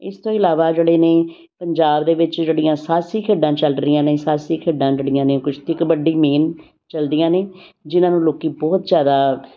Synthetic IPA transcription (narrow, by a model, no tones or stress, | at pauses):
ɪ̰st̪õːɪlaːʋaːd͡ʒeːɽeːneː | pəɲd͡ʒaːbd̪eːʋɪt͡ʃd͡ʒeːɽɪjãːsaːsiːkʰeːɖãːt͡ʃəlɾɪjãːnẽːsaːsiːkʰeːɖãːd͡ʒeːɽɪjãːneːkʊt͡ʃʰt̪ʰɪkbəɖːiːmeːn | t͡ʃəld̪ijãːneːd͡ʒɪnãːnũːloːkiːbɔːt̪zjaːd̪aː